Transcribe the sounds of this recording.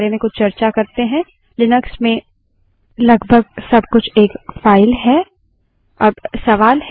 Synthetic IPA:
ɾemẽkʊt͡ʃt͡ʃɐɾt͡ʃakɐɾt̪eɦɛ̃ | lɪnəksmẽ | lɐɡbʱəɡ̚sɐb̚kʊt͡ʃʰeːkfaːɪlɦɛ | ɐɾsɐʋaːlɦ

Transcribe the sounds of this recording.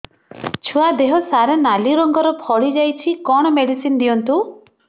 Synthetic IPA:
t͡ʃʰuad̪eɦɔsaɾenaliɾɔŋɡɔɾɔpʰɔɭid͡ʒajt͡ʃʰikɔɽ̃ɔmeɽisind̪ijɔnt̪u

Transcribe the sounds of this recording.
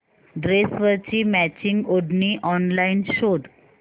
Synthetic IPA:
ɖɾesʋəɾt͡ɕiːmæt͡ɕiŋɡoɖniːʔɔnlainɕod̪

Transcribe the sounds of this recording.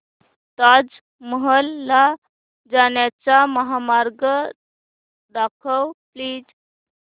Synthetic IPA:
t̪ad͡z | məɦəlːa | d͡zanjat͡saməɦamaɾɡə | d̪akʰəwpliːd͡z

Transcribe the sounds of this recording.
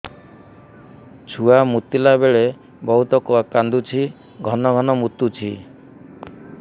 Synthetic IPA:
t͡ʃʰuamut̪ilabeɭe | bɔɦut̪ɔkɔakand̪ut͡ʃʰi | ɡʱɔnɔɡʱɔnɔmut̪ut͡ʃʰḭ

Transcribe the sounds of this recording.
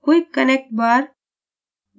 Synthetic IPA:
koikɐnek̚ʈ̚baːɾ

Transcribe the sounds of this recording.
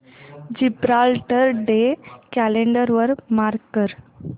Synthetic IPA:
d͡ʑibɾalʈəɾɖekæleɳɖəɾʋəɾmaɾkːəɾ

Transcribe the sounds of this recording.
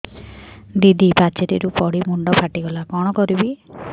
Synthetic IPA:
d̪id̪ipat͡ʃet̪ḭɾupɔɽimuɳɖɔpʰaʈiɡɔlakɔɽ̃ɔkɔɾibi

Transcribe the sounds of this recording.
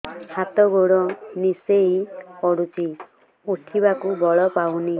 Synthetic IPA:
hat̪ɔɡoɽɔniseipɔɽut͡ʃi | uʈʰibakubɔɭɔpawni

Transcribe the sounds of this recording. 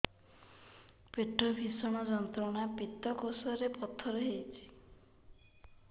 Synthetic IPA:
peʈːɔbʱisɔɽ̃ɔd͡ʒɔnt̪ɾɔɽ̃apit̪ːɔkosɔɾepɔt̪ʰːɔɾɔɦet͡ʃʰi̥

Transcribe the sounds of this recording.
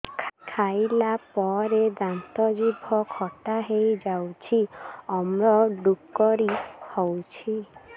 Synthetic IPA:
kʰajlapɔɾed̪ant̪ɔd͡ʒibʱɔkʰɔʈaɦejd͡ʒawt͡ʃʰiɔmɾɔɖukːɔɾihɔwt͡ʃʰi

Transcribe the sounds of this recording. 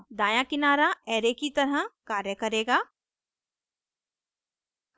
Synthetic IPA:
d̪aːjãkɪnaːɾaɛːɾekit̪ɐɾəkaːɾjəkɐɾeːɡaː

